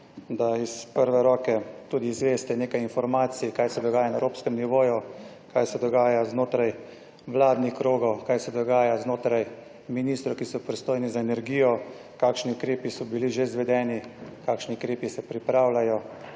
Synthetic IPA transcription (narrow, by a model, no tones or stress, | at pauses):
d̪aispəɾʋɛɾɔːkɛt̪uːd̪iːzʋeːst̪ɛneːkajinfɔɾmaːt̪sijkaːjsɛd̪ɔɡaːjanaɛɾoːpskɛmniʋoːju | kajsɛd̪ɔɡaːjaznoːt̪ɾaj | ʋlaːd̪nixkɾoːɡɔwkaːjsɛd̪ɔɡaːjaznoːt̪ɾaj | miniːst̪ɾɔkisɔpɾist̪oːjnizaenɛɾɡiːjɔ | kaːkʃniʊkɾeːpisɔbiliʒezʋɛd̪ɛːnikaːkʃniʊkɾeːpisɛpɾipɾaːwlajɔ